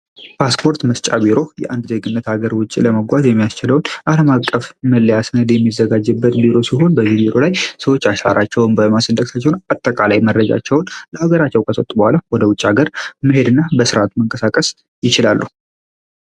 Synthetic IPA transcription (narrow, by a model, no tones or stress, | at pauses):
pʰaspʰo̞ɾt̪məst͡ʃʼabiɾo̞jɛ̰ʔand̪ze̞ɡɨnːət̪haɡəɾwʊt͡ʃʼːḭləməɡʷazjɛmːijast͡ʃɪləwnʔaləmakʼːəfməlːəjasɨnəd̪jɛmːizəɡad͡ʒːɨbːət̪biɾo̞siɦo̞nbəzibiɾo̞lajsəwot͡ʃːaʃa̰ɾʔat͡ʃːɛwʊnbəmasənd̪ək̚sat͡ʃːɛwnat̪ʼːəkʼalajmərːəd͡ʒa̰t͡ʃːɛwʊnləaɡəɾat͡ʃːɛwkʰʼəsət̪ʼubəhʷalawɔd̪əwʊt͡ʃʼːaɡəɾməɦe̞d̪ɨnːabəsɨɾat̪məŋkʼəsakʼəs | jɪt͡ʃɪlalːuhu